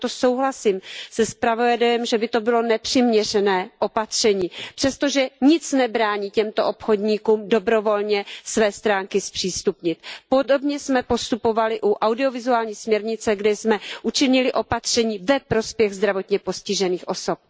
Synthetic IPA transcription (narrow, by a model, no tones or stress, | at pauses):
t̪oso̞wɦlasimsɛspɾavoɛdɛɛmʒɛbɪt̪o̞bɪlo̞nɛpr̥ɪmɲɛr̝ɛnɛːʔopat̪r̝̥ɛɲiːpr̥ɛst̪o̞ʒɛɲɪt͡snɛbɾaːɲiːcɛmt̪oʔopxo̞dɲiːkuːmdo̞bɾo̞vo̞lɲɛsvɛːst̪ɾaːŋkɪspr̝̥iːst̪upɲɪt̪̚po̞do̞bɲɛsmɛpo̞st̪upo̞valɪʔuʔawdɪo̞vɪzuaːlɲiːsmɲɛɾɲɪt͡sɛɡdɛsmɛʔut͡ʃɪɲɪlɪʔo̞pat̪r̥ɛɲiːvɛpɾo̞spjɛɣzd̪ɾavo̞t̪ɲɛpo̞scɪʒɛniːxʔo̞sop̚